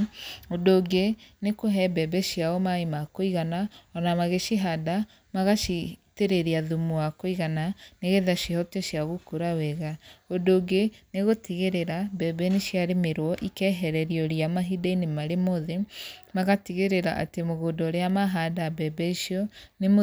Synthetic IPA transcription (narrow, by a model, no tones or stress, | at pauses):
odoːɡenekoɦɛbɛbɛʃjaɔmaemakoiɣanaɔnamaɣeʃiɦada | maɣaʃiteɾeɾiaðumuwakoiɣananeɣeðaʃihɔtɛʃjaɣukuɾawɛɣaodoːɡeneɣotiɣeɾeɾabɛbɛneʃjaɾemeɾɔʔikɛɦɛɾɛɾiɔɾiamaɦidainemaɾemoðemaɣatiɣeɾeɾa̰ʔa̰temoɣodɔɾeamaɦadabɛbɛiʃiɔnemo